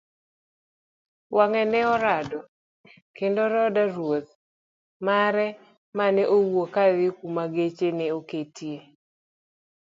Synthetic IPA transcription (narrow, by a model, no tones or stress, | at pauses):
waŋɛnɛɔɾadɔ | kendoɾɔdaɾwot̪̚ | maɾɛ | manɛʔowokaðɪkumaɡet͡ʃenɛoketje